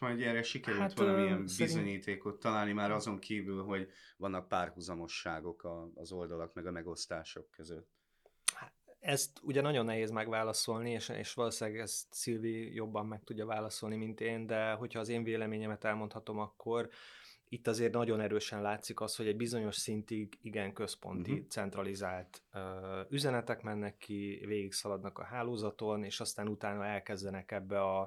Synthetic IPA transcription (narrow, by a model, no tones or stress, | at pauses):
ɔɟɛrɾɛʃikɛɾylt̪ʋɒlɒmijɛmbizo̞ɲiːt̪ʰeːkot̪ːɒlaːlnimaːɾɒzo̞ŋkʰiːvylɦo̞ɟvɒnːɒk̚paːrhuzɒmo̞ʃːaːɡo̞kɒːzo̞ld̪ɒlɒkmɛɡɒmɛɡo̞st̪aːʃo̞kːøzøt̪ː | hat̪ɛst̪uɟɛnɒɟo̞nːɛɦeːzmɛɡʋaːlɒso̞lnieʃḛːʃʋɒloːsilɛɡɛst̪silvijo̞bːɒmːɛk̚t̪uɟːɒvaːlɒso̞lnimint̪eːnd̪ɛɦo̞cʰhɒːzeːɱveːlɛmeːɲɛmɛt̪ɛlmo̞nt̪hɒt̪o̞mɒkʰːo̞rit̪ːɒzeːrt̪nɒɟo̞nɛɾøːʃɛnlaːt̪sikɒst̪ho̞ɟɛɟbizo̞ɲo̞ʃsint̪iɡiɡɛŋkø̞spo̞̰nt̪it̪sɛnt̪rɒlizaːlt̪ | yzɛnɛt̪ɛkmɛnːɛkːiveːɡiksɒlɒd̪nɒkɒ̰ɦaːloːzɒt̪o̞neːʃɒst̪aːnut̪aːnɒɛlkɛzd̪ɛnɛkɛbːɛɒ